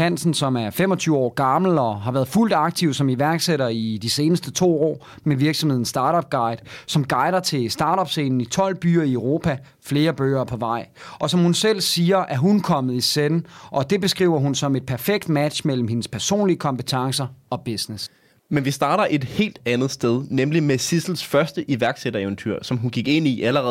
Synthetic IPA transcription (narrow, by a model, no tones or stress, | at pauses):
æn̰sn̩sɒ̽mæɐfemɒ̽t͡sʰyːʊɒ̰ːɡ̥ɑ̈ml̩ɒɦɑ̈ʋæːɐð̩ˠful̰d̥ɑ̈ɡ̥̚t͡sʰiʊ̰sɒ̽miʋæɐɡ̥seɾɐid̥ise̝ːnəsd̥ət͡sʰo̝̰ːɒ̰ː | meʋiɐɡ̥sɒmhe̝ð̰ˠn̩sd̥ɑ̈ːɾɒb̥̚ɡ̥ɑ̈ɪ̰d̥sɒ̽mɡ̥ɑ̈ɪdɐt͡sʰe̝sd̥ɑ̈ːɾɒb̥se̝̰ːnn̩it͡sʰɒ̽l̰b̥y̰ːɐiøʊʁo̝ːpʰæ | fle̝ːɐb̥ø̰ːɐːpʰɒ̽ʋɑ̈ɪ̰ɒ̽sɒ̽mhunsel̰siːɐʔæɐɦunkʰɒ̽mð̩ˠisennʔɒ̽d̥e̝b̥e̝sɡ̥ʁḭːʊ̰ɐɦunsɒ̽me̝d̥̚pʰæɐfeɡ̥̚d̥mæd̥ɕmel̰m̩he̝nəspʰæɐso̝̰ːnliəkʰɒ̽mpət͡sʰɑ̈ŋsɐɒ̽b̥e̝snes | menʋisd̥ɑ̈ːɾ̥ɐʔe̝d̥he̝̰ːld̥ænð̩ˠsd̥eð̞ˠnemlimesisl̩sfɶɐsd̥əʔiʋæɐɡ̥seɾɐeʋənt͡sʰy̰ɐ̰sɒ̽mɦunɡ̥iɡ̥e̝n̰iʔæləʁɛ